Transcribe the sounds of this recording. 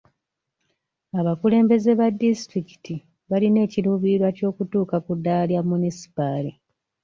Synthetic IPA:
aβakule̞ːmbe̞ze̞βadːisitɾiki̥ti | βaline̞ːciluːβiɾwaco̞ːkutuːkakudːaljamːunisi̥pali

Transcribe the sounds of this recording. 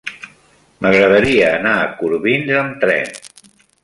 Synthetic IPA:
məɣɾəðəɾiəːnaːkuɾβinzəmt̪ɾɛ̰n

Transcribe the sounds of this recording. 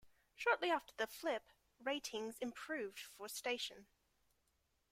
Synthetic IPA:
ʃɔˑʔliɑftəðəflɪp | ɹeɪtʰɪ̃ŋzɪ̃mpʰɹ̥ʉːvd̥fəsteɪʃə̃n

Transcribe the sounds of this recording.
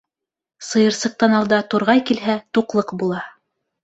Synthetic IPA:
sɤ̆jɤ̆ɾsɤ̆q̚t̪ɑnɑlˠd̪ɑt̪uɾʁɑjkilɦæt̪uqlˠɤqbulˠɑ

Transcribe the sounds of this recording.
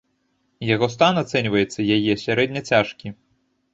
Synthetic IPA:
jaɣɔst̪anat̪sɛnʲvɐjɛt̪sːɐjajɛsʲaɾɛd̪ʲnʲɐt͡sʲaʂkʲi

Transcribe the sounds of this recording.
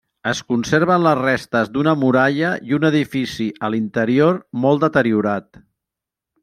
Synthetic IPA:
əskunseɾβ̞ənləzrest̪əzd̪unəmuɾaʎəiunəðifisiʔəlint̪əɾioɾmɔlˠd̪ət̪əɾiuɾat̪

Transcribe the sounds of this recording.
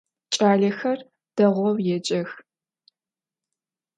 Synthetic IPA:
t͡ʃʼaːɮɐxɐr | d̥ɐʁʷɔwjɛd͡ʒʼɐx

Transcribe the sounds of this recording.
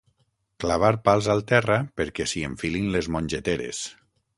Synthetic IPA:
klaβ̞aɾpalˠzalˠt̪ɛrapeɾkɛsieɱfilinlezmõnʲd͡ʒet̪eɾḛs

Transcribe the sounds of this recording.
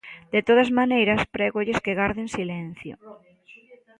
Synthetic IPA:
d̪̥et̪oð̞azmanejɾɐspɾɛɣoʎeskeɣaɾðensilɛn̟θjo̰

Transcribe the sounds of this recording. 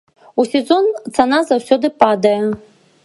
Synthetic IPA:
usʲezo̞nt͡sʰanazawsʲod̪ɨpʼad̪ajɐ

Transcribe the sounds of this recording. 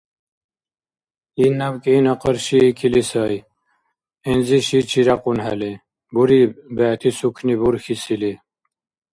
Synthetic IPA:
inːabkʼeinɐqəɾʃikʰilisɑj | inziʃit͡ʃʰiɾaqunɦa̰li | buɾibæːt̪ʰisukʰnibuɾxisili

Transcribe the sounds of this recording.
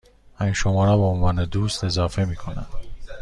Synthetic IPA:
ænʃomɒːɾɒːbeonvɒːned̪uːst̪e̞zɑːfe̞miːkʰonæ̰n

